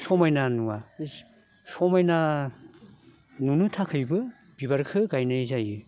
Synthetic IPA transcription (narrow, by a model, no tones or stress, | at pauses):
sɔmajnanuwa | sɔmajna | nunɯtʰakʰɯjbɯ | b̥ibaɾkʰɯɡajnajzajɯ